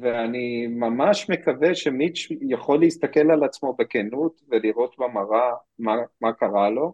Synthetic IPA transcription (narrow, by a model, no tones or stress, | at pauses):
veanimamaʃmekaveʃemit͡ʃjaχo̞lːeist̪ake̞lalat͡smo̞bekenut̪veliʁo̞t̪bamaʁamamakaʁalo̞